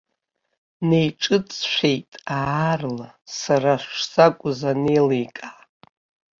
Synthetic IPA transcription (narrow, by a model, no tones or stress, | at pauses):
nejʈ͡ʂʼɨt͡sʼʃʷᶣe̞jtʼarla | saraʃsakʷʼʊzane̞jlejkʼa